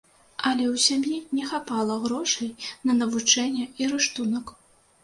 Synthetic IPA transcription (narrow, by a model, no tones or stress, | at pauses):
ɐlʲɛwsʲamjinʲɛxapalˠɐɣɾɔʂɐjnɐnɐvut͡ʂɛnʲːɛiɾɨʂt̪unɐk